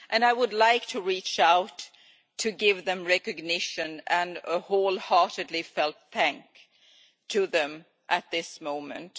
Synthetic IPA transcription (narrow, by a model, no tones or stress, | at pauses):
ʔɨ̃naɪwədˡlaɪk̚tʰɨɹit͡ʃaʊtʰː | ɨɡɪvðɨ̃mɹɛkɨɡnɪʃɨ̃nɨ̃nəhoʊlˠhɑɹɾɨdˡlifɛlˠt̪̚θæ̃ŋk | tʰɨðɨ̃m | ʔɨt̪̚ðɪsmõʊ̃mɨ̰̃nt